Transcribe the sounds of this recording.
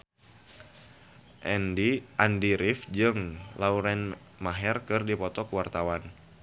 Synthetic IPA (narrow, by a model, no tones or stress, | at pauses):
ʔɛndiʔandiɾɪfd͡ʒɨŋlauɾɛn | maɦɛrkɨrdipɔt̪ɔkəwart̪awan